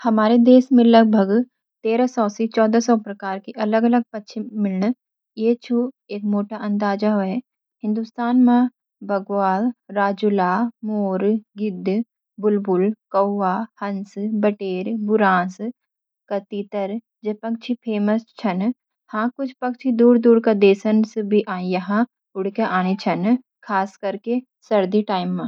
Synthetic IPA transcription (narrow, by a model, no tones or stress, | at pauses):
hɐmaːɾed̪eːsmẽlɐɡ̚bʱəɡ | t̪eːɾasɔːsit͡ʃɔːd̪asɔːpɾɐkaːɾkiʔɐləɡɐləɡ̚pɐtːt͡ʃʰimɪlɳ | jeːt͡ʃʰu | eːkmoːʈaʔɐ̃nd̪aːd͡ʒaɦoɛ | hɪ̃nd̪ust̪aːnmã | bʱɐɡʋaːlɾaːd͡ʒulaːmoːɾɡɪd̪ʱ | bʊlbʊlkɐːaːhɐnsbɐʈeːɾbʊɾãːs | kɐt̪iːt̪əɾ | d͡ʒepɐk̚t͡ʃʰipʰeːməst͡ʃʰɐn | hãkʊt͡ʃʰpɐk̚t͡ʃʰid̪uːɾd̪uːɽkad̪eːsənsbʱiʔaːĩjɐɦã | ʊɽ̤keʔaːñet͡ʃʰɐn | kʰaːskɐɾke | sɐɾd̪iʈaːɪmːãː